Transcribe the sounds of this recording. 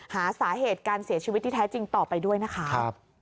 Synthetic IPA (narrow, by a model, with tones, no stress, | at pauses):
haː˨˩˦saː˩˦ɦeː˨˩t̪̚kaː˧nsi˨˩˦t͡ɕʰi˧i˦˥t̪ːʰiː˥˩ɛː˦˥t͡ɕi˧ŋt̪ɔː˨˩pa˧jdu˥˩əjna˦˥kʰa˦a˦˥p̚